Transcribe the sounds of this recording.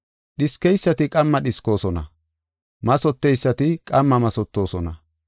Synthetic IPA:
ɗɪskɛjsːɐt̪ɪkʼɐmːɐɗɪsko̞ːsɔnɐ | mɐsɔt̪ːɛjsːɐt̪ɪkʼɐmːɐmɐsɔt̪ːo̞ːsɔnɐ

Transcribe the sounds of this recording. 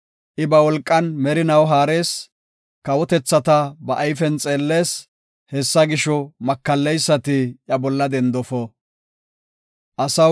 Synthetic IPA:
ʔɪbɐwɔlkʼːɐnmɛɾɪnɐwɦaːɾe̞ːs | kɐwɔt̪ɛt͡sːɐt̪ɐbɐʔːjfɛnt͡sʼe̞ːlːe̞ːs | hɛsːɐɡɪʃɔmɐkːɐlːɛjsːɐt̪ɪjɐbɔlːɐd̪ɛnd̪ɔfɔ | ʔɐsɐ

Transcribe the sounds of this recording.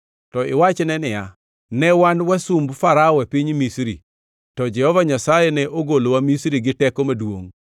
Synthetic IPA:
tɔɪwat͡ʃnɛnɪja | nɛwanwasumbfaɾaɔepiɲmisɾḭ | tɔd͡ʒɛhɔvaɲasajenɛʔoɡolowamisɾiɡɪtɛkomadwo̰ŋ

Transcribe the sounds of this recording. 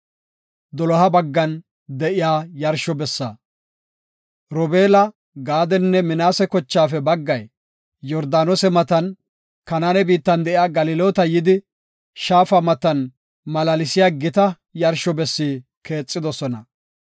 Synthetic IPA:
d̪ɔlɔɦɐbɐɡːɐn | d̪ɛʔɪjaːjɐɾʃɔbɛsːa̰ | ɾɔbeːlɐ | ɡaːd̪ɛnːɛmɪnaːsɛkɔt͡ʃːaːfɛbɐɡːɐj | jɔɾd̪aːnɔsɛmɐt̪ɐn | kɐnaːnɛbiːt̪ːɐnd̪ɛʔɪjaːɡɐlɪloːt̪ɐjɪd̪ɪ | ʃaːfɐmɐt̪ɐn | mɐlɐlɪsɪjaːɡɪt̪ɐ | jɐɾʃɔbɛsːiː | ke̞ːt͡sʼːɪd̪ɔsɔnɐ

